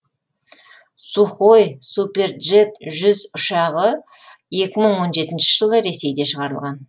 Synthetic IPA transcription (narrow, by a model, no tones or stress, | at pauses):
suχojsupe̞rʒe̞t̪ʒʏzʊʃɑʁə | je̞kʲɪməɴwo̞nʒe̞t̪ɪnʃɪʒəlˠəɾe̞se̞jd̪e̞ʃəʁɑɾəlˠʁɑn